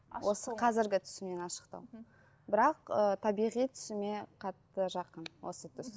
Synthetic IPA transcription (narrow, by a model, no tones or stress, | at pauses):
wo̞səqʰɑzɪɾɡʲɪt̪ʰʏ̥sɪme̞nɑʃə̥qt̪ɑ̰w | bɪɾɑqət̪ʰɑbijʁijt̪ʰʏ̥sɪme̞qʰɑt̪ːəʒɑqənwʔo̞̰sət̪ʰʏs